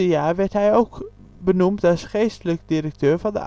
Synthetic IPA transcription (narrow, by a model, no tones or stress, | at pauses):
əjaːɹʋɛɹtɦɛjowk | bənumtɑlˠsχejstələkdirək̚tøːɹvɑndə̰ʔ